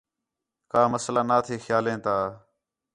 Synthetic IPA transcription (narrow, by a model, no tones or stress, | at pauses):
kaːməslaːnaːt̪ʰiːxjaːlẽːt̪aː